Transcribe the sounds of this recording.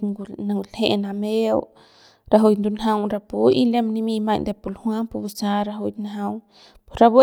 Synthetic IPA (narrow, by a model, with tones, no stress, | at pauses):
na˧ŋɡlhḛ˧ʔna˧mḛ˦ | ɾa˧ɦo˧jnd̪u˧nɦa˧wɾa˧pu˧i˦le˦mni˦mi˧ma˧jnd̪e˧pu˧˨lhwʷa˦mpu˧bu˧sa˧ɾa˧ɦo˧jt̪naɦa˧w | po˨ɾa˧be˦